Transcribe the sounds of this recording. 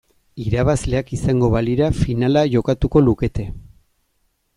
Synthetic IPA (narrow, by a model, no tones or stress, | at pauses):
iɾaβazle̞akisaŋɡo̞βaliɾafinalaʝo̞kat̪uko̞luke̞t̪e̞